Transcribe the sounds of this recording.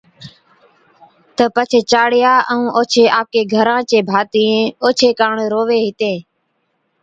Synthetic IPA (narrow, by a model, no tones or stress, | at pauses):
t̪əpət͡ʃʰeːt͡ʃaːɽɪjaːʔəũːʔoːt͡ʃʰeːʔaːp̚keːɡʱəɾãːt͡ʃeːbʱaːt̪iẽːoːt͡ʃʰeːkaːɳːɾoːʋeːɦɪt̪ẽː